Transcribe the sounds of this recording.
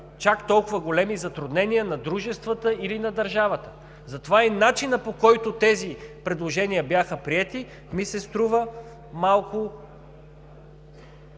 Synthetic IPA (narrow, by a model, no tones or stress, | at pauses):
t͡ʃakt̪ɔlˠkʊvəɡolɛmizɐt̪ɾʊd̪nɛniənɐd̪ɾuʒɛst̪vət̪əilinɐd̪ɐɾʒavət̪ə̥ | zɐt̪ovainat͡ʃinəpokɔjt̪ʊt̪ɛzipɾɛd̪lˠoʒɛniəbjaxəpɾiɛt̪i | misɛst̪ɾuvə | malˠkʊ